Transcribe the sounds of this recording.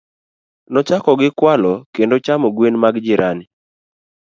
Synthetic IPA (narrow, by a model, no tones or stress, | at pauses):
nɔt͡ʃakɔɡɪkwalɔkendot͡ʃamoɡwenmaɡd͡ʒɪɾʔanɪ